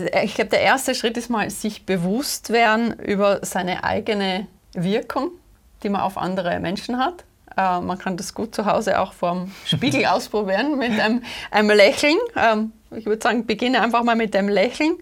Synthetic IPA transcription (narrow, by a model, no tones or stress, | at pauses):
ɪçɡ̥lab̚ə̥d̥eːɐʔeːɐstəʃʁ̥ɪtɪstmaːlz̥ɪçb̥əvʊstv̥eːɐdn̩ʔy̰ːbɐz̥aɪnə̰ʔa̰ɪɡənə | vɪɐkʰʊŋ | d̥iːmanʔa̰ʊfʔa̰ndəʁə̰mʔɛnʃn̩ɦat | ʔɛːmankʰandasɡ̥uːt̚t͡suɦaʊzəʔa̰ʊxfɔɐmʃpiːɡl̩aʊspʁ̥obiːʁənmɪtamʔaɪnəmlɛçl̩nʔɛːm | ɪçv̥ʏɐdəz̥aːɡŋ̩b̥əɡɪnəʔaɪnfaχmaːlmɪt̚d̥eːmlɛçl̩n̩